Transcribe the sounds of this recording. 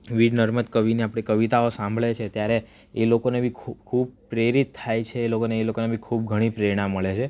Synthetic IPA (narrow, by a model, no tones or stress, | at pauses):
ʋiɖnəɾməd̪kəʋineapɽ̃ikəʋit̪aosãmbʱɭet͡ʃʰet̪jaɾe | elokonebʱikʰukʰub̚pɾeɾit̪ʰːajt͡ʃʰeːlokoneːlokonebʱikʰub̚ɡʱəɽ̃ipɾəɾiɽ̃ãmːəɭet͡ʃʰe